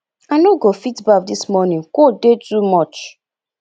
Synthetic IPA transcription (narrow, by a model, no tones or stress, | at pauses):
anoɡofitbak̚dismɔnĩŋkodetumɔt͡ʃ